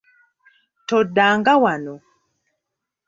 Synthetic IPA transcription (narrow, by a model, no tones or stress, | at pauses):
tɔdaŋɡawanɔ